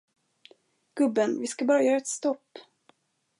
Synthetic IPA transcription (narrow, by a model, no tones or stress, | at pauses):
ɡ̥ɵbːənvɪskabɑːɾajœːɾaɛt̪st̪ɔpː